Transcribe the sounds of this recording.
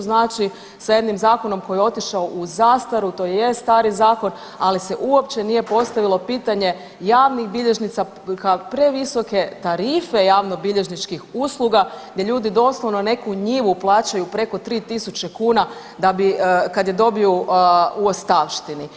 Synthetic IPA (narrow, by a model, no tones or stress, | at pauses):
znaːt͡ʃi | saje̞d̪nimzaːko̞no̞mko̞jo̞t̪iʃaoʔuzaːst̪aɾut̪ojejest̪aːɾizaːko̞n | alise̞ʔuo̞pt͡ɕe̞nije̞po̞st̪aʋilˠo̞piːt̪aɲe̞ | jaːʋnixbiʎe̞ʒnit̪sa | kapɾe̞ʋiso̞ke̞t̪aɾiːfe̞jaːʋno̞biʎe̞ʒnit͡ʃkixuːslˠuɡaɡd̪jeʎuːd̪id̪o̞ːslˠo̞ʋnone̞kuɲiːʋuplˠaːt͡ɕajupɾe̞ko̞t̪ɾiːt̪isut͡ɕe̞kuːna | d̪abikad̪je̞d̪o̞biouost̪aʋʃt̪ini